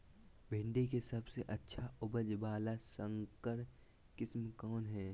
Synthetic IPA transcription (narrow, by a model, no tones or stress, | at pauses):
bʱɪ̃ɳɖekesɐbseʔɐtːʃʰaʊbəd͡ʒbaːlasə̃ŋkəɾ | kɪsmkɔːnɦɛː